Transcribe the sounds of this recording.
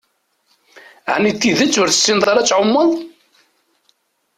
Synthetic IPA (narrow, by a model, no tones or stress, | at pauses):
ʕnit̪ːiðət͡sːʊɾθə̥sːinðˤɑɾˤæt͡sːʕʊmːəðˤ